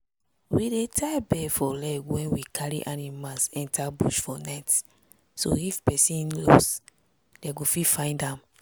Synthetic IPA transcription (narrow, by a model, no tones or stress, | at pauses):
widetʰabɛfɔlɛɡwɛ̃nwikʰaɹḭʔanimalsɛ̃ntabṵʃfɔnat | so̰ifpɛsĩnlo̰s | d̥ɛɡofifãɪ̃ndãm